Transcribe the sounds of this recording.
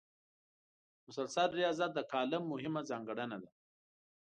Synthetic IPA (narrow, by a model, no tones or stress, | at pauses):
mʊsalsalɾijɑzat̪̚d̪əkɑːlɪmːʊɦɪmazɑːŋɡaɽanad̪a